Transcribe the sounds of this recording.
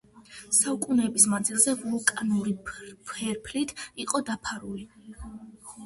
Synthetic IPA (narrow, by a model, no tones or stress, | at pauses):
saukʼunɛːbisnad̪zilˠzɛvɔlˠɔkʼanuɾipʰɛɾpʰlit̪ʰiqʼɔd̪apʰaɾuli